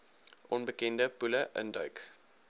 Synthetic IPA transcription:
ʔɔnbəkɛndəpuləʔə̰ndœɥk

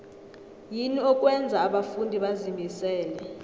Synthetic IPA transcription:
jiniɔk̬ʼwɛnd͡zʱaːɓafundʱiɓazimbʱisɛːlɛ

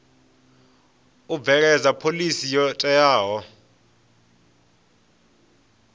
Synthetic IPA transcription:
uvɛk̬ɛzapʰolisijɔtʼɛjaːɦɔ

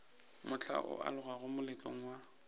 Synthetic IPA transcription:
mʊt͡ɬʰa̰ʔʊ̰ʔa̰lʊɣaɣʊmʊlɪt͡ɬʼo̰ŋ̩wa

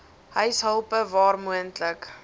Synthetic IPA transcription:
ɦœɥsɦəlˠpəvɑːrmuəntlək

